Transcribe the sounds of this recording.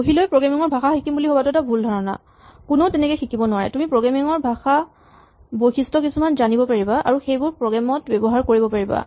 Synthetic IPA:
oɦilojpɹɔɡamiŋɔɹbʱaxaxikimbuliɦobatʊɛtabʱuldʱɔɹɔna̰ | kunotɛnɛkɛjxikibɔnʊwaɹɛ̰tumipɹɔɡɹamiŋɔɹbʱaxa | bojxistɔkisumanzanibɔpaɹibaʔa̰ɹuxejbʊɹpɹɔɡamɔtbɛbɔɦaɹkoɹibɔpaɹiba̰

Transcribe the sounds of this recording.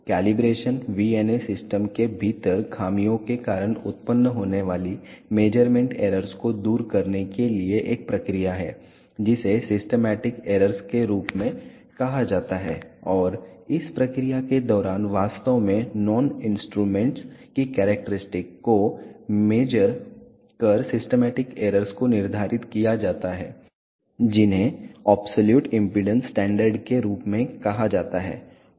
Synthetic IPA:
kɛːlɪbɾeːʃənʋiːeːnesɪsʈəmkebʱiːt̪əɾkʰaːmijõkekaːɾəɽ̃ʊ̰t̪̚pənːəɦoːneʋaːlimeːd͡ʒəɾmẽɳʈḛːɾəɾskod̪uːɾkɐɾnekelieʔeːk̚pɾɐkɾijaɦɛ̰ː | d͡ʒɪsesɪsʈəmɛːʈɪkeːɾəɾskeɾuːpmẽ | kɐɦad͡ʒaːt̪aɦɛ̰ːɔːɾɪspɾɐkɾijaked̪ɔːɾaːnʋaːst̪əʋmẽnɔːnɪ̃nsʈɾuːmẽɳʈskikɛːɾɛk̚ʈəɾɪsʈɪkːomeːd͡ʒəɾ | kəɾsɪsʈəmɛːʈɪkeːɾəɾskonɪɾd̪ʱaːɾʔɪt̪kijad͡ʒaːt̪aɦɛ̰ː | d͡ʒɪnɦẽɔːbsoljuːʈɪ̃mpiɖə̃nsːʈɛ̃ːɳɖəɾɖkeɾuːpmẽkɐɦad͡ʒaːt̪aɦɛ̰ː

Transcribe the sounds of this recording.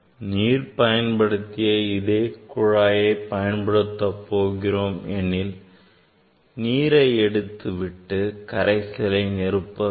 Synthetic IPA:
niːɾpɐjɐnpɐɽɯt̪ːɪjɐɪðeːkʊɻaːjɐɪpɐjɐnpɐɽɯt̪ːɐpːoːɣɪroːmɛnːɪl | niːɾɐɪɛɽɯt̪ːɯʋɪʈːɯkɐɾɐɪsɐlɐɪnɛɾɯpːɐ

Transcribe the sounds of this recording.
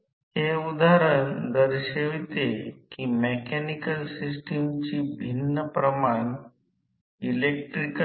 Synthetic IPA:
heud̪aɾəɳd̪əɾɕeʋt̪ekiːmekɛnikəlsisʈəmt͡ɕiːbʱinːəpɾəmaɳ | ilek̚ʈɾik

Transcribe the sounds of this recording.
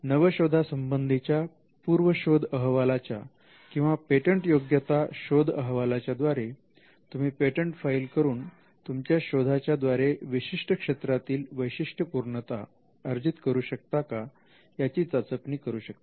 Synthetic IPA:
nəʋəɕod̪ʱasəmbənd̪ʱit͡ɕja | puɾʋəɕod̪ʱəɦʋalat͡ɕja | kĩw̃ʋapeʈəɳʈjoɡjət̪aɕod̪ʱəɦʋalat͡ɕjad̪ʋaɾe | t̪um̤iːpeʈəɳʈfailkəɾuːn | t̪umt͡ɕjaɕod̪ʱat͡ɕjad̪ʋaɾeʋiɕiʂʈʰəkʂet̪ɾat̪iːlʋəjɕiʂʈʰəpuɾɳət̪a̰ | əɾd͡ʑit̪kəɾuːɕək̚t̪aka | jat͡ɕiːt͡sat͡səpniːkəɾuːɕək̚t̪eḁ

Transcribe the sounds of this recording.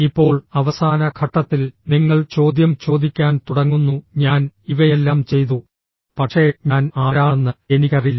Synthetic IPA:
ipːo̞ːɭɐʋɐsaːnɐkʰɐʈːɐt̪ːilniŋːɐɭt͡ɕo̞ːd̪jɐmt͡ɕo̞ːd̪ikʲːaːnt̪uɽɐŋːunːuɲaːniʋɐje̞lːaːmt͡ɕe̞jt̪u | pɐʈʂeɲaːnaːɾaːɳɐnːɨenikɐrilːɐ

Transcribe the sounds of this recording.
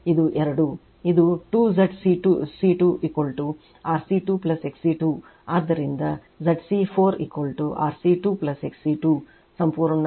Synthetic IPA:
id̪uʔɛɾɐɽu | id̪uʈuːzɐɖsiʈusiʈuʔikʋɐlʈu | aːɾsiʈuːplɐseksiʈuː | aːd̪ːɐɾind̪ɐ | zɐɖsipʰoːɾḭkʋɐlʈuʔa̰ːɾsiʈuːplɐseksiʈuː | sɐmpuːɾɐɳɐ

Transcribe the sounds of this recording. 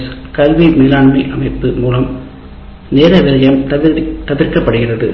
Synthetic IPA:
skɐlʋimiːlaːɳmɐɪʔɐmɐɪpːɯmuːlɐm | neːɾɐʋɪlɐjɐmt̪ɐðɪrkɐpːɐɽɯɣɪrɐðɯ

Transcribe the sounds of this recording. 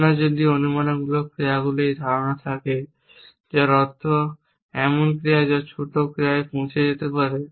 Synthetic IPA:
nad͡ʑod̪ionumanoɡulokɾeaɡulejd̪ʱaɾonat̪ʰake | d͡ʑaɾɔt̪ʰːo | ɛmonkɾijad͡ʑat͡ɕʰoʈ̪okɾiaepõwt͡ɕʰed͡ʑet̪epaɾe

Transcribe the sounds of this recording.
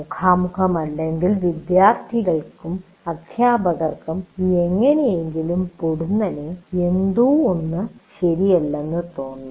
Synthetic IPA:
ukʰaːmukʰɐmɐlːɐeŋɡilʋid̪jaːrt̪ʰiɣɐɭkum | ɐd̪ʱjaːbɐɣɐrkumeŋːɐneje̞ŋɡilumpuɽunːɐneend̪uːonːɨɕɐɾijɐlːenːɨt̪o̞ːnːu

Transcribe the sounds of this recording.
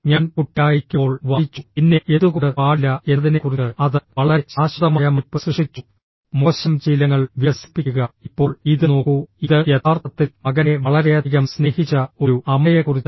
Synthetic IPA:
ɲaːnkuʈːaːjikʲːoːɭʋajit͡ɕːupinːe̞ʔeðuɣuɽɨaːlːɐʔe̞ðinekuriɨɐðɨʋɐɭɐɾet͡ɕaːɕɐrɐmajɐmipːɨsriʂit͡ɕːu | mo̞ːɕɐmd͡ʑiːlɐŋːɐɭʋjɐsi̥pːikːuɣɐipːo̞ːɭiðɨno̞ːkːuiðɨjet̪aːrt̪ɐt̪ːilmɐɣɐneʋɐɭɐɾeɐiɣɐmsne̞ːhit͡ɕːɐo̞ɾuʔɐmɐjɐkurit͡ɕː

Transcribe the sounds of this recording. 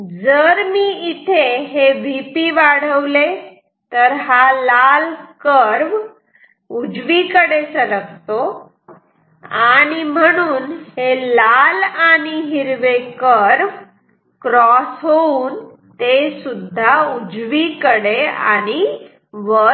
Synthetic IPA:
d͡zəɾmiːit̪ʰeɦeʋipiːʋaɽ̤əʋle | t̪əɾɦalalkəɾʋ | ud͡zʋikəɽesələɡt̪o | aɽ̃im̤əɽ̃uːnhelalaɽ̃iɦiɾʋekəɾʋ | kɾɔsɦouːn | t̪esud̪ʱːaud͡zʋikəɽea̰ɽ̃i | ʋə

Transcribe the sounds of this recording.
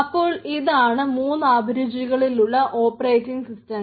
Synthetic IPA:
ɐpːo̞ːɭiðaːɳɨmuːnːɨaːbʱɐɾud͡ʑiɣɐɭiluɭːɐʔoːpːɐrejtːiŋɡsistɐm

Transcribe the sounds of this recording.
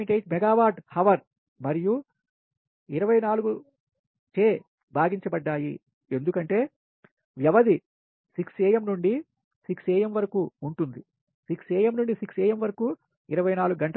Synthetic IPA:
ɳʈejʈ̚mɛɡaːʋaːʈhɐʋɐɾ | mɐɾiju | iɾɐʋɐjnaːluɡu | t͡ʃeː | bʱaːɡiɲt͡ʃɐbɐɖːaːji | e̞nd̪ukɐɳʈe̞ː | ʋjɐʋɐd̪i | siksɛːjɐmnuɳɖi | siksɛːjɐmʋɐɾɐkuːɳʈund̪i | siksɛːjɐmnuɳɖisiksɛːjɐmʋɐɾɐkuː | iɾɐʋɐjnaːluɡuɡɐɳʈ

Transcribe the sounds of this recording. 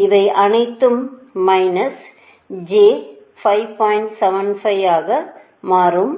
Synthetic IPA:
ɪʋɐɪʔɐnɐɪt̪ːɯmːɐɪnɐs | d͡ʒeː | fɐɪʋpaːjɪɳʈsɛʋɐnfɐɪaːɣɐ | maːrɯm

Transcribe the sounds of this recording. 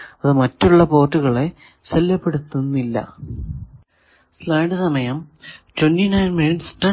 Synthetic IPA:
ɐðɨmɐtːuɭːɐpo̞ːrʈːuɣɐɭe̞ | selːɐpːe̞ɽut̪ːunːilːɐ̰ | slaːɳɖɨsɐmɐjɐmtwɐnːinɐjnmeːnsʈɐ

